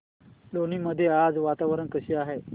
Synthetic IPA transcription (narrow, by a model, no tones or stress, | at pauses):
loniməd̪ʱːjead͡zʋat̪aʋəɾəɳkəɕiːaɦe